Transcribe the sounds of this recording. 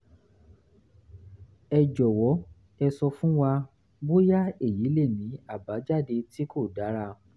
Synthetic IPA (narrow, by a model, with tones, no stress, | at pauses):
ɛ˧d͡ʒɔ˨wɔ˨˦ | ɛ˧sɔ˧fũ˦wa˧ | bo˦ja˦e˦˨ji˨˦le˦˨nĩ˨˦a˦˨ba˨˦d͡ʒa˦˨de˧ti˦ko˦˨da˨˦ɾa˦˧˨